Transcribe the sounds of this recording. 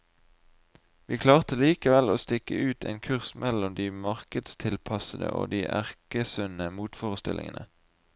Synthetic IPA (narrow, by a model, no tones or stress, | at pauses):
ʋiːkʰlɑːʁt̪əliːkəʋɛloːst̪ɪkəʉːt̪ʰḛːnkʰʉʁsmʔɛlɔmd̪iːmɑʁkəd̪st̪ʰɪlpʰɑsəd̪ə̰ʔo̰ːd̪iːʔæ̰ʁkəsʉnəmuːt̪foːʁəst̪ɪ̰lʔɪ̰ŋənʔə